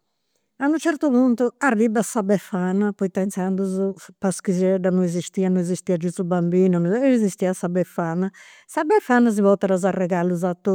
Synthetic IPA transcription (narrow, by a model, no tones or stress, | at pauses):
anut͡ʃɛɾt̪upunt̪uarːibasabɛfanapɔit̪ɛnt̪sand̪uzupaskizɛɖanuɛzist̪iːanuɛzist̪iːad͡ʒust̪ubambiːnunɛzist̪iːasabɛfana | sabɛfanːaziβɔt̪ɛɾazarːɛɣalːuzat̪ːu